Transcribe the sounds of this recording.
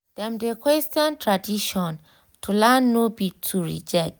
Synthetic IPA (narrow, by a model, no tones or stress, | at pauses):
d̥ɛ̃mdekwɛstjɔ̃ntɹadiʃɔ̃n | tʰulanːobitʰːuɹḭd͡ʒɛk̚t